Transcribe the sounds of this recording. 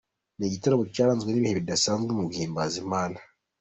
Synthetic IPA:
neɟitaɾoβocaːɾaːnzɡweniβiheβidasaːnzɡemuɡiːmbazimaːna

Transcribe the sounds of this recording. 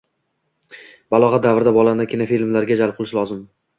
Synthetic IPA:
b̥alˠɒʁɑd̪avɾd̪abɒlˠand̪akʲʰɪnafilmlaɾɡʲad͡ʒalˠp̚qʰʊlˠɪʃlɒzɪm

